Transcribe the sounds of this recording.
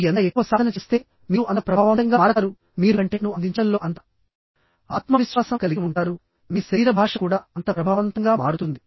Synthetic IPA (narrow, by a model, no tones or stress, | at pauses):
ɐnɐekːuʋɐsaːd̪ɐnɐt͡ʃeːst̪e̞ː | miːuʔɐnt̪ɐpɾɐbʱaːʋɐnt̪ɐŋɡaːaːɾɐaːɾu | miːɾuɐɳʈeːnuɐnd̪iɲt͡ʃɐnlo̞ːʔɐnt̪ɐ̥ | aːt̪mɐʋiʃʋaːsɐkɐliɡuɳʈaːɾu | miːsiːɾɐbʱaːʂɐkuːɽaːɐnt̪ɐpɾɐbʱaːʋɐnt̪ɐŋɡaːmaːɽut̪und̪i